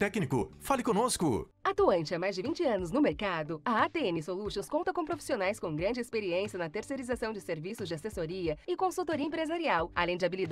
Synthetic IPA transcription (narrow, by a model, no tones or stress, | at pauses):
t̪ɛknikʊ̰falɪkõnoskʊ̰ | at̪uɐ̃nt͡ʃɪamajzd͡ʒɪvĩnt͡ʃɪɐ̃nʊznʊmeɾkad̪ʊɐat̪eenɪsoluʃõskõnt̪ɐkõpɾofi̥sionajskõɡɾɐ̃nd͡ʒɪespeɾiẽsiɐnɐt̪eɾseɾizasɐ̃w̃d͡ʒɪseɾvisʊzd͡ʒɪasesoɾiɐɪkõsut̪oɾiɐẽpɾezaɾiawalẽd͡ʒɪabilid̪